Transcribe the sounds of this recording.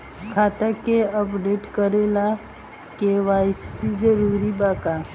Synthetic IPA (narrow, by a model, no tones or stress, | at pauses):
kʰat̪akeəpɖeʈkəɾela | keʋajsid͡ʒəɾuɾibaka